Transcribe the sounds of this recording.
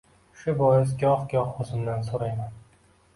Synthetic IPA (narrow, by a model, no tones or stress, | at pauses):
ʃʊbɒjɪz̬ɡʲɒhɡʲɒhozɪmd̪ansoɾajman